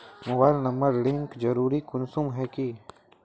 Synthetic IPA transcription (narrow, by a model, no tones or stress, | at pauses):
mʊbaːɪlnɐ̃mbəɾɽɪ̃ŋkd͡ʒɐɾuːɾikʊnsumɦɛki